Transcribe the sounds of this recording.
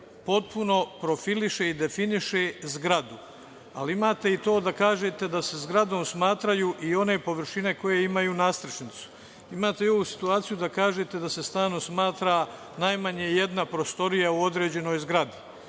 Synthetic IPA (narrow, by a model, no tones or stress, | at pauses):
po̞t̪̚puno̞pɾo̞filiʃe̞id̪e̞finiʃezɡɾad̪u | a̰liimaːt̪e̞it̪o̞ːd̪akaːʒe̞t̪e̞d̪ase̞zɡɾad̪o̞ːmsmaːt̪ɾajuʔio̞ne̞po̞ʋɾ̩ʃine̞ko̞je̞imajuːnaːst̪ɾt͡ʃnit̪su̥ | imaːt̪e̞o̞ʋusi̥t̪uaːt̪sijud̪akaːʒet̪e̞d̪ase̞st̪aːno̞smaːt̪ɾa | najmaɲeje̞d̪napɾo̞st̪o̞ɾijauo̞d̪ɾe̞ːd͡ʑe̞no̞ːjzɡɾad̪i